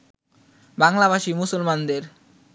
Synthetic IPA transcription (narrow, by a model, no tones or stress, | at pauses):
baŋlaβaʃimusolmand̪eɾ